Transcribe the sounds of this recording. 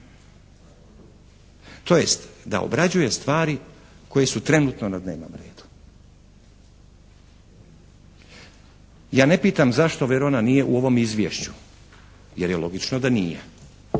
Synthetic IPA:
t̪ʰo̞je̞st̪d̪a̰o̰bɾad͡ʑuje̞st̪ʋaːɾi | kʰo̞je̞sut̪ɾe̞nuːt̪no̞nad̪ne̞ːʋno̞̰mɾe̞̰ːd̪̥u̥ | jaːne̞piːt̪amzaʃt̪o̞ʋeɾo̞nanije̞ʔuo̞ʋo̞mizʋʲje̞ʃt͡ɕu | jeɾjelˠo̞ɡit͡ʃnod̪anijḛ

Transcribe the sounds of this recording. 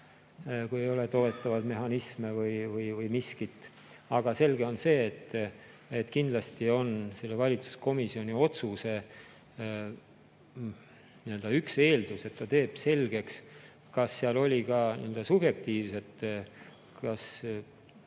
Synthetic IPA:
kuje̞jo̞let̪o̞ːet̪ːˑɑvɑd̪me̞ɦɑnismevɯjvɯjvɯjmiskit̪ːˑ | ɑɡ̥ɑse̞lɡ̥e̞o̞nse̞ːt̪ːˑ | et̪ːkind̪lɑst̪io̞nse̞lːevɑlʲit̪su̥sko̞misio̞nio̞t̪suse̞ | niø̞ld̪̥ɑykse̞ːld̪use̞t̪ːɑt̪e̞ːb̥se̞lɡ̥e̞ks | kɑsːeɑlo̞lʲikɑnḭø̞ld̪ɑsub̥je̞k̚t̪iːvse̞t̪ˑ | kɑs

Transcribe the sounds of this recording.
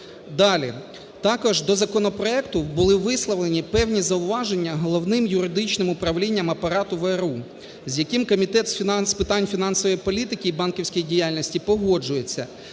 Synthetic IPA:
d̪ɑlʲḭ | t̪ɑkɔʒd̪ɔzɐkɔnɔpɾɔɛkt̪ʊbʊlˠɪʋɪslˠɔʋlˠenʲipɛwnʲizɐʊʋɑʒe̞nʲːɐɦɔlˠɔwnɪmjʊɾɪd̪ɪt͡ʃnɪmʊpɾɐʋlʲinʲːɐmɐpɐɾɑt̪ʊʋɛɾu | zʲjɐkimkɔmʲit̪ɛt̪sspɪt̪ɑnʲfʲinɑnsɔʋɔjipɔlʲit̪ɪkɪːbɑnkiwsʲkijidʲijalʲnʲɔsʲtʲipɔɦɔd͡ʒʊje̞t͡sʲːɐ

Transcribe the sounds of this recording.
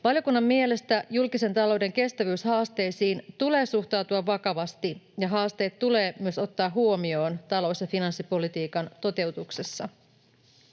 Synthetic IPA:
ʋɑljo̞kunːɑmːmie̞le̞st̪æjulkise̞nt̪ɑlo̞wde̞ŋke̞st̪æʋyːshɑːst̪e̞jsiːnt̪ule̞ːsuxt̪ɑwt̪uɑʋːɑkɑʋɑst̪ijɑɦɑːst̪e̞ːt̪tːule̞ːmyøso̞t̪ːɑːɦuomio̞ːnt̪ɑlo̞sjɑfinɑnsːipo̞lit̪iːkɑnt̪o̞t̪e̞wt̪ukse̞sːɑ

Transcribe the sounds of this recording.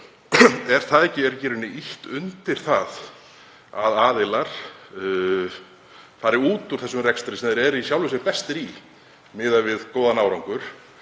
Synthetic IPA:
ɛɾ̥θaðɛhcːɪɛɾcɛːɾɪnɪʔiht̪ʏnt̪ɪɾ̥θað | a̰ðaːðɪlaɾ̥ | faɾɪuːt̪uɾ̥θɛsːʏmrɛkst̪ɾɪsɛmðɛɾɛɾisjawlvɪsɪɾpɛst̪ɪɾi | mɪːðavɪðkoːwðanaːwɾawŋkʏɾ̥

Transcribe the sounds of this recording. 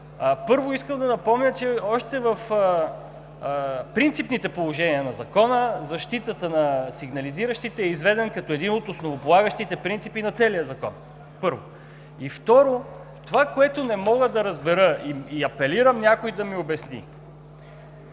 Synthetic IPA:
pɤɾvoiskəmd̪ɐnɐpɔmnʲət͡ʃɛɔʃt̪ɛvəf | pɾint̪sipnit̪ɛpolˠoʒɛniənɐzɐkɔnəzɐʃt̪it̪ət̪ənɐsiɡnɐliziɾəʃt̪it̪ɛːizvɛd̪ɛnkɐt̪ɔɛd̪inot̪osnovopolˠaɡəʃt̪it̪ɛpɾint̪sipinɐt̪sɛlijəzɐkɔ̰n | pɤɾvo | ift̪ɔɾo | t̪ovakoɛt̪ʊnɛmɔɡəd̪ɐɾɐzbɛɾəiiɐpɛliɾəmnʲakojd̪ɐmiobɛsnḭ

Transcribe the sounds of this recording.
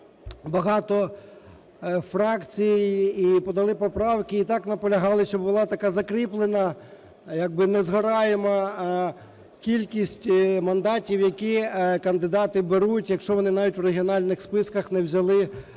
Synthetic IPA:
bɐɦɑt̪ɔ | fɾɑkt͡sʲijijipɔd̪ɐlˠɪpɔpɾɑwkɪːt̪ɑknɐpɔlʲɐɦɑlˠɪʃt͡ʃɔbbʊlˠɑt̪ɐkɑzɐkɾiplˠenɐ | jaɡ̚bɪnɛzɦɐɾɑjemɐ | kʲilʲkʲisʲtʲmɐnd̪ɑtʲiwjɐkʲikɐnd̪ɪd̪ɑt̪ɪbeɾutʲjɐkʃt͡ʃɔʋɔnɪnɑʋʲitʲwreɦʲiɔnɑlʲnɪxspɪskɐxnɛwzʲɐlˠɪ

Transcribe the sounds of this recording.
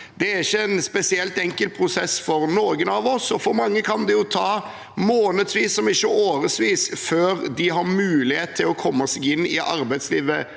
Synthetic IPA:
d̪̥ɛæɾɪçːəɛnspɛsɪɛlt̪ɛŋkəlt̪̚pʰɾʊsɛsfɔɾnoːɡənɑʋɔsɔfɔɾmɑŋːəkʰɑnd̪ɛjʊt̪ʰɑː | moːnəd̪sʋiːsːɔmɪçːəoːɾəsʋiːsføːɾd̪ɪɦɑɾmʉːlɪheːt̪t̪ʰːɪlɔkʰɔmːɑsiɡɪnːɪʔɑɾbæɪd̪sliːʋə

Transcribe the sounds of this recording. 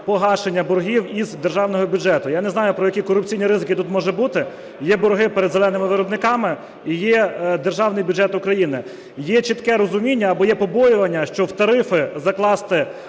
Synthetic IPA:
pɔɦɑʃenʲːɐbɔɾɦʲiwizd̪erʒɑwnɔɦɔbʲjud͡ʒɛt̪ʊjanɛzn̪ɑjʊpɾɔjɐkʲikɔrʊp̚t͡sʲijnʲiɾɪzɪkʲɪt̪ut̪mɔʒɛbut̪ɪ | jɛbɔɾɦɪpeɾed̪zelˠɛnɪmɪʋɪɾɔbnɪkɑmɪ | ijɛd̪erʒɑwnɪjbʲʊd͡ʒɛt̪ʊkɾɐjinɪ | jɛt͡ʃit̪kɛɾɔzʊmʲinʲːɐːbɔjɛpɔbɔjʊʋɐnʲːɐʃt͡ʃɔwt̪ɐɾɪfɪzɐklˠɑst̪ɪ

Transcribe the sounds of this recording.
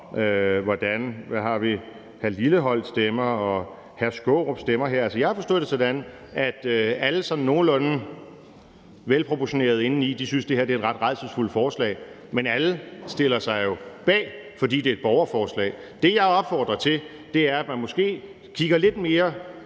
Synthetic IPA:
ʔøʋɒd̥ænʋæɦɑ̈ʋi | hæliləɦɒ̽l̰d̥sd̥emɐɒ̽ | hæsɡ̥ɔʁob̥sd̥emɐɦeɐ̰ælsəjɑ̈hɑ̈fɒ̽sd̥o̰ð̰ˠd̥esɒd̥æn | æd̥øæləsɒ̽nn̩ːo̝ːn̩ɔ̽nn̩ | ʋelpʰʁo̝pʰɒɕo̝ne̝̰ːɐð̞̩ˠe̝nn̩id̥isynsd̥e̝hæɐd̥eɐedʁɑ̈d̥ʁɑ̈ðsəsful̰fɒːslɛ̰ːɪ | menæləsd̥e̝l̰ɐsɑ̈ɪjo̝b̥ɛ̰ːfɒ̽dḭːd̥e̝ɐe̝d̥̚b̥ɒʊɐfɒːslɛ̰ː | d̥e̝jɑ̈ɪɒ̽b̥fɒːd̥ʁɐt͡sʰe̝l | d̥e̝æɐæd̥mænmɔ̽sɡ̥e̝̰ː | kʰiɡ̥ɐle̝d̥me̝ːɐ

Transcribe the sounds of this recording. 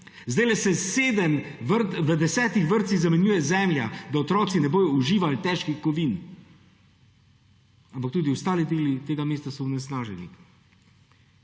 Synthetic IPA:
zd̪ajlɛsɛseːd̪ɛmʋəɾt̪ʋəd̪ɛsɛːt̪ixʋəɾt̪siɣzamɛnjuːjɛzɛmlʲjad̪aɔt̪ɾɔːt̪sinɛboːjɔuʒiːʋalt̪ɛːʃkixkɔʋiːn | ampak̚t̪uːd̪iwst̪aːlid̪eːlit̪eːɡameːst̪asɔnɛsnaːʒɛnḭ

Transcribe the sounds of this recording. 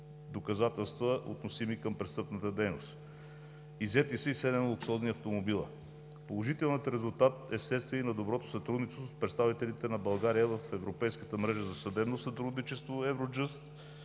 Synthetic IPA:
d̪okɐzat̪ɛlˠst̪vəʔo̰t̪nosimikəmpɾɛtst̪ɤpnət̪əd̪ɛjno̰st̪ | izɛt̪isɛisɛd̪ɛnlˠoksɔzniɐft̪omobilˠə̰ | polˠoʒit̪ɛlˠnət̪ɾɛzulˠt̪at̪̚ɛslɛt̪st̪viɛinɐd̪obɾɔt̪o̥sɐt̪ɾud̪nit͡ʃ̪ospɾɛt̪st̪avit̪ɛlit̪ɛnɐbɐlˠɡaɾijəvəfɛvɾopɛjskət̪əmɾɛʒəzɐsɐd̪ɛbnosɐt̪ɾud̪nit͡ʃɛst̪voɛvɾod͡ʒɤst̪

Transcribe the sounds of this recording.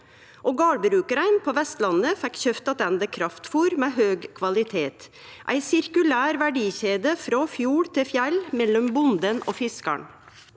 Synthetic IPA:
ʔoːɡɑːɽbɾʉːkəɾæɪnpʰoːʋɛst̪lɑnəfɛkçœft̪ɑt̪ɛnd̪əkʰɾɑft̪fuːɾmeːɦøːɡkʰʋɑlɪt̪ʰeːt̪ | ʔæ̰ɪsɪɾkʉlæːɾʋæɖiːçeːd̪əfɾɔfjuːɽt̪ʰɪfjælmɛlːɔmbʊnd̪ənʔo̰ːfɪskɑ̰ɳ

